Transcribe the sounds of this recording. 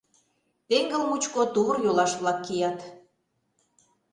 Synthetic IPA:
t̪eŋɡə̆lmut͡ɕkot̪urjolɑʃβlɑkːijɑt̪

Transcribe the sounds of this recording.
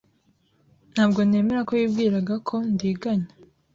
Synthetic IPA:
n̥haːbɡo̞ne̞ːme̞ɾako̞jiːbɡiːɾaɡakʰo̞ndiːɡaɲa

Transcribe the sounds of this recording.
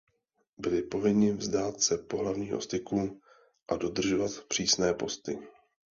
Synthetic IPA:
bɪlɪpo̞vɪɲɪvzdaːt̪sɛpo̞ɦlavɲiːɦo̰st̪ɪkuː | ʔado̞d̪r̩ʒo̞vat̪pr̝̥iːsnɛːpo̞st̪ɪ

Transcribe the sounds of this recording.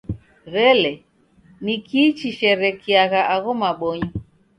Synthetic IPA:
ɣɛlɛ | nikiːt͡ʃiʃɛɾɛkiaɣaʔaɣɔmaɓɔɲɔ

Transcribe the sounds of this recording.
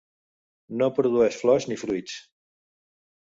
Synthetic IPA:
nopɾuðuɛʃflɔznifɾuit͡s

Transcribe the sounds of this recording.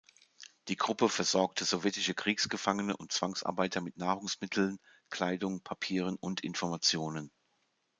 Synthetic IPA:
d̥iːɡʁʊpəfɛɐzɔɐk̚tʰəzɔvjɛtɪʃəkʁ̥iːksɡ̥əfaŋənəʔʊntt͡sv̥aŋsʔa̰ɐbaɪtʰɐmɪtnaːʁʊŋsmɪtʰl̩n | kʰl̥aɪdʊŋpʰapʰiːʁənʊntɪ̰nfɔɐmat͡sjoːnən

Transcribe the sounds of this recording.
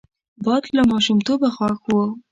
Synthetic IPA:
bɑd̪lamɑʃumt̪obaxɑkwə

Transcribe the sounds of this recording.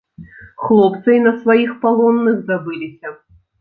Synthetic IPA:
xlˠɔpt̪sɐjnɐsvajixpalˠɔnːɨɣzabɨlʲisʲɐ

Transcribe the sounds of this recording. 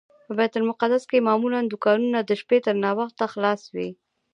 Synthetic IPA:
pəbɛt̪ʊlmʊqad̪askemɑmuland̪ʊkɑnunad̪əʃpet̪əɾnɑwaxt̪ːaxlɑswi

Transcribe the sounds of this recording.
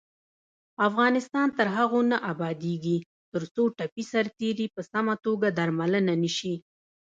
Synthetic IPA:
afɣɑnɪst̪ɑnt̪əɾɦaɣonaʔabɑd̪eɡi | t̪əɾt͡soʈapisaɾt̪eɾipəsamat̪oɡad̪aɾmalənaniʃi

